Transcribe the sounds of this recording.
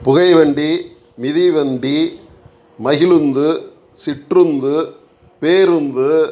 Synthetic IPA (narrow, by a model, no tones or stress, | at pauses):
pʊɣɐɪʋɐɳɖi | mɪðiʋɐɳɖi | mɐɣɪlɯnd̪ɯ | sɪʈrɯnd̪ɯ | peːɾɯnd̪ɯ